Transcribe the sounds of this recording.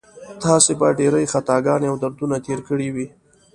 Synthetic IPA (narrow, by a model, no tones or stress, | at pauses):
t̪ɑsebaɖeɾəjxat̪ɑɡɑneawd̪aɾd̪unat̪eɾkəɽiwi